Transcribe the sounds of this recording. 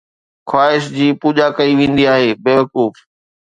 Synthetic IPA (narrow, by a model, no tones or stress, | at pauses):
kʰwaːɦɪʃd͡ʑiːpuːʄakɐiʋẽːn̆d̪iaːɦeːbeːʋɐkuːf